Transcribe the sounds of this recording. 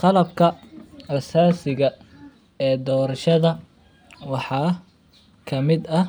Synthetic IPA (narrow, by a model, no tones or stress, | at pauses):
qɑlɐb̚kʰɐrɐsaːsɪɣɐ | ɛːd̪ɔːɾɐʃɐðɐ | wɑħɑː | kʰɐmɪd̪ɐ